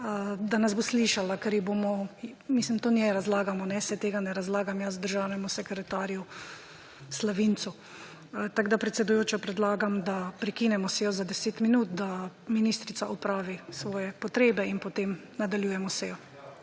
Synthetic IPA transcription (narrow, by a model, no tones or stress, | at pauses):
əd̪anazbosliʃalakɛɾjɛbomɔmislimt̪oːnjɛɾazlaːɡamɔnɛsɛt̪eːɡanɛɾazlaːɡamjazd̪əɾʒawnɛmusɛkɾɛt̪aːɾju | slaʋint̪su | t̪aɡd̪apɾɛt̪sɛd̪ujoːt͡ʃɔpɾɛd̪laːɡamd̪apɾɛkinɛmɔsɛjɔzad̪ɛseːt̪minuːt̪̚d̪aminist̪ɾit̪saʔɔpɾaːʋisʋɔːjɛpɔt̪ɾeːbɛinpɔt̪eːmnad̪aljuːjɛmɔsɛjɔ